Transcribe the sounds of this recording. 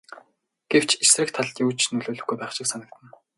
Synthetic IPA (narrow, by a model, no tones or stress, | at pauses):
ɡ̥ew̥t͡ɕesrɘ̆k̚t̪ʰaɮt̪juːt͡ɕʰnɵɮʊːɮɘ̆xɡujpæːχʃɪ̆ksanə̆k̚t̪ʰə̆n